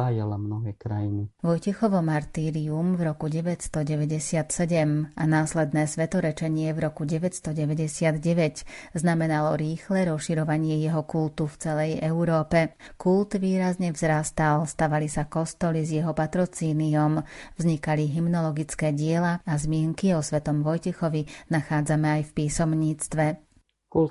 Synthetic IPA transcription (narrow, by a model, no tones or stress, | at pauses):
aːjalamnɔɦɛːkɾajiniʋɔjcɛxɔʋɔmaɾt̪iːɾiumvɾɔkuɟɛʋɛcst̪ɔɟɛʋɛɟɛsɪat̪sɛɟɛmanaːslɛd̪nɛːsʋɛt̪ɔɾɛt͡ʃɛɲɪɛvɾɔkuɟɛʋɛcst̪ɔɟɛʋɛɟɛsɪad̪ɟɛʋɛcznamɛnalɔɾiːxlɛɾɔsʃiɾɔʋaɲɪɛjɛɦɔkult̪uft͡sɛlɛjɛuɾɔːpɛkult̪ʋiːɾazɲɛvzɾaːst̪alst̪aʋalisakɔst̪ɔlizjɛɦɔpat̪ɾɔt͡siːniɔmvzɲikaliɦimnɔlɔɡit͡skɛːɟɪɛlaazmɪɛŋkiɔsʋɛt̪ɔmʋɔjcɛxɔʋinaxaːd͡zamɛajfpiːsɔmɲiːt͡st̪ʋɛ | kul